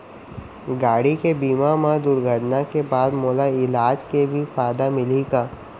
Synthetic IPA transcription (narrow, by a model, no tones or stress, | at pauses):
ɡaːɽikebiːmamad̪ʊɾɡʱəʈnakebaːd̪moːlaɪlaːd͡ʒkebʱifaːd̪amɪliɡaː